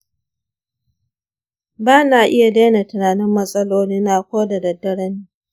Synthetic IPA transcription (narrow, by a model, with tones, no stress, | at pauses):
baː˦naː˨ʔɪ˦ja˨da˦na˨tʊ˨naː˨nɪ˦mːɐ˦sʼɐ˦loː˦ni˦naː˦kʷoː˦da˨dɐ˨dːɐ˨ɽɐ˦niː˦